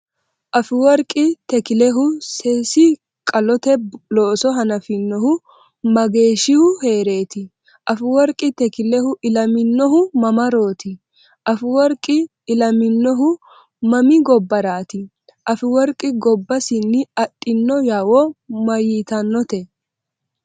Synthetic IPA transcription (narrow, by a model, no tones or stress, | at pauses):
ʔɐfɪwɔɾkʼɪt̪ɛkɪlɛɦʊsɛsɪ | kʼɐlɔt̪ɛloːsɔɦɐnɐfɪnːɔhʊ | mɐɡe̞ːʃɪhʊhe̞ːɾe̞ːt̪ɪ | ʔɐfɪwɔɾkʼɪt̪ɛkɪlɛhʊʔɪlɐmɪnːɔɦʊmɐmɐɾo̞ːt̪ɪ | ʔɐfɪwɔɾkʼːɪː | lɐmɪnːɔɦʊ | mɐmɪɡɔbːɐɾaːt̪ɪ | ʔɐfɪwɔɾkʼɪɡɔbːɐsɪnːɪɐtʼːɪnːɔjaːwɔmɐjiːt̪ɐnːɔt̪ɛ